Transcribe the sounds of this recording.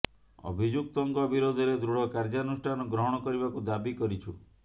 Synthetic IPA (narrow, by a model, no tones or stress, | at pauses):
ɔ̰bʱid͡ʒuk̚t̪ɔŋkɔbiɾod̪ʱɔɾed̪ɾuɽɔkaɾd͡ʒanusʈʰanɔɡɾɔɦɔɽ̃ɔkɔɾibakud̪abikɔɾit͡ʃʰu